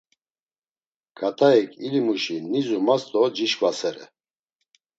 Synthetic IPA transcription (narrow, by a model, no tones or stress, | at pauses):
kʰat̪ʰaɛkʰʼilimuʃinizumast̪ʼɔd͡ʒiʃkʼvasɛɾɛ̰